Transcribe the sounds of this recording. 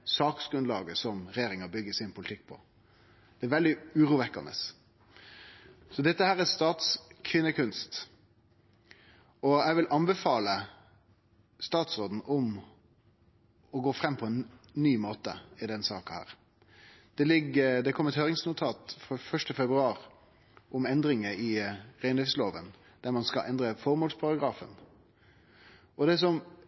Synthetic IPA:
sɑːksɡ̥ɾʉnlɑːɡəsɔmɾɛjeːɾɪŋɑbʏɡːəsɪnpʰʊlɪt̪ʰɪk̚ːpʰɔ̰ | d̪̥ɛæɾʋɛld̪ɪʉːɾuːʋɛkːɑ̰nə̰s | sɔd̪ɛt̪ːəhæːɾæɾst̪ɑːt̪skʰʋɪnːəkʰʉnst̪ | ɔæɪʋɪlʔɑnbɛfɑːlə | st̪ɑːt̪sɾoːd̪n̩ʊm | ɔɡoːfɾɛmːpʰɔɛnːyːmoːt̪ə̰ɪd̪ɛnsɑːkɑhæ̰ːɾ | d̪̥ɛlɪɡəd̪ɛkʰɔmːɛt̪høːɾɪŋsnʊt̪ʰɑːt̪fɔfœʂʈəfɛbɾʉɑːɾ | ʔʊmɛnd̪ɾɪŋəɪʁæɪnlɪfsloːʋən | d̪̥æɾmɑnskɑʔɛnd̪ɾəfɔɾmuːlspʰɑɾɑɡɾɑːfən | ɔd̪ɛs̬ɔm

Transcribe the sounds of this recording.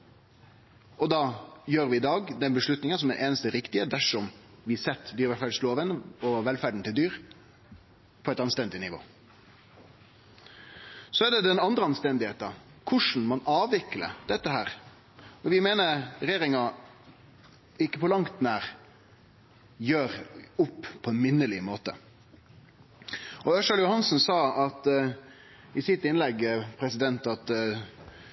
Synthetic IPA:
ɔd̪ɑːjøːɾʋɪɪd̪ɑːɡd̪ɛnbəʂlʉt̪nɪŋənsɔmæʔeːnəst̪əɾɪkt̪ɪəd̪æʂɔmʋɪsɛt̪ːd̪yːɾʋæfæːɖsloːʋənɔʋɛlfæɖɳ̩t̪ɪld̪yːɾ | pʰɔɛɪt̪ɑnst̪ɛnd̪ɪnɪʋo̰ː | sɔæɖ̪ɛd̪ɛnɑnd̪ɾəɑnst̪ɛnd̪ɪheːt̪ɑ | kʰʊʂn̩mɑnɑːʋɪklə̰d̪̥ɛt̪ːəɦæːɾ | ɔʋɪmeːnəɾɾɛjeːɾɪŋɑ | ɪkːəpʰɔlɑŋt̪næːɾ | jøːɾʊpːpʰɔɛnmɪnːəlɪmoːt̪ə̰ | ɔœʂɑljʊhɑnsnsɑːɑt̪ | ɪsɪt̪ːɪnlɛɡpʰɾɛsɪd̪ɛnt̪ɑt̪

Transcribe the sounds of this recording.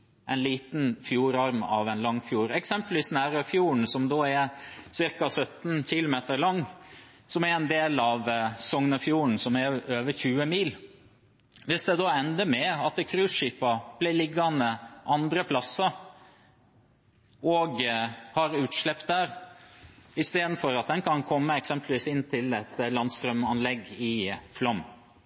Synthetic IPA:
ʔɛɪnliːt̪nfjuːɾɑɾmɑ̰ʋɛnlɑŋːfjuːɾɛksɛmpəlʋiːsnæːɾəfjuːɳ̩sɔmd̪oːɛɾsɪɾkɑsœt̪n̩çɪlʊmeːt̪əɾlɑŋː | sɔmɛɾɛnd̪eːlɑʋsɔŋnəfjuːəɳ̩sɔmɛɾøːʋəçʉːəmiːl | ʋɪsd̪ɛd̪oːɛnd̪əmɛɑt̪̚əkʰɾʉːsʂiːpɑb̥læɪlɪɡːɑnəʔɑnd̪ɾəpʰlɑsːɑ | ɔɡhɑɾʉːt̪ʃlɛpt̪d̪æːɾ | ɪst̪eːd̪n̩fɔɾɑt̪̚d̪ɛnkʰɑnkʰɔmːəɛksɛmplʋiːsɪnt̪ʰɪlɛt̪lɑnd̪st̪ɾœmɑnlɛɡːɪflɔm

